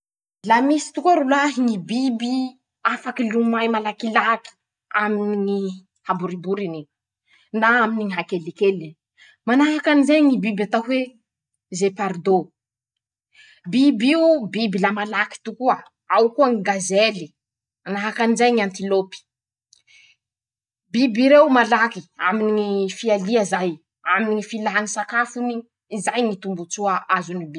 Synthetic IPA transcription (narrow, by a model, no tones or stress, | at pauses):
lamisi̥t̪ukaɾulaɦiŋibibi | afakilumajmalakilaki̥ | aminiŋi | habuɾibuɾini | naaminiŋiɦakelikeli | manaɦakanizajŋibibat̪aɦwe | zepaɾd̪o | bibiubibilamalaki̥t̪ukua | awkuaŋiɡazeli | manaɦakanizajŋant̪ilopi̥ | bibiɾewmalakia̰miniŋifialiazaj | aminiŋifilaɦanisakafuniː | zajŋit̪umbut͡suaazunibi